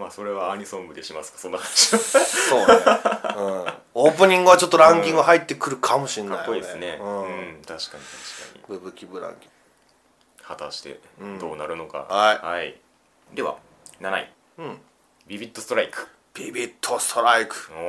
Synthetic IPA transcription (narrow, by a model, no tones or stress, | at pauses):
maːso̞ɾe̞βaaɲ̟isõmbɯ̟d̪e̞ɕimasɨ̥kḁso̞nːahanaɕiasoː | ɯ̃ | o̞ːpɯ̟ɲ̟ĩŋɡɯ̟βat͡ɕo̞t̪ːoɾãŋkʲĩŋɡaɦait̪ːe̞kɯ̟ɾɯ̟kʰamo̞ɕĩnkːapjːoid̪esɨne̞ɯ̃ɯ̃t̪ʰaɕi̥kaɲ̟it̪aɕi̥ka̰ɲ̟ḭbɯ̟bɯ̟kʲibɯ̟ɾã̰ŋkʲĩ̥ŋɡ | hat̪aɕi̥t̪ẽ̞̰d̪o̞ːnaɾɯ̟no̞ka̰haihai | d̪e̞βa̰ | nana̰ḭ | ɯ̃ | bʲibʲit̪ːost̪oɾaikɯ̟̥ | b̥ʲibʲit̪ʰːo̞st̪oɾaikɯ̥o